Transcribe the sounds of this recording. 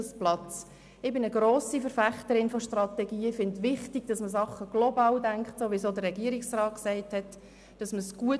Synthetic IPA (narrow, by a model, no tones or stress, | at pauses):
splɑt͡s | ɪbɪnəɡɾoːsifəɾfæχtəɾɪnfɔʃtrɑtɛɡiːfɪndʋɪχtɪɡ̥d̥ɑsməs̬ɑχːəɡ̥lɔbɑːldæŋkχtsoːʋisoːdərɛɡiəɾɪksrɑːtksæɪthɛt | d̥ɑsməsɡ̥uə